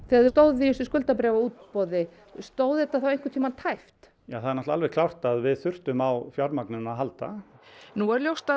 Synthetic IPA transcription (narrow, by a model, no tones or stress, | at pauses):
θɛaðt̪oːwðiʏsʏskʏlt̪apɾɛːvauːt̪pɔðɪ | st̪oːwðɪt̪ːaθawejn̥ŋkʏt̪ʰiːmat̪ʰajft̪ | jaːθaðɛɾnɔstlaalvɛkʰlawr̥t̪aðvɪðθʏr̥t̪ʏmawfjaɾmaknʏnaðɦalt̪a̰nuɛɾljowst̪a